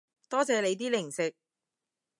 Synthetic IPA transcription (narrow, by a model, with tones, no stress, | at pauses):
t̪ɔː˥t͡sɛː˨˧le˨˧jt̪̬iː˥lɪ˨˩ŋsɪ˨k̚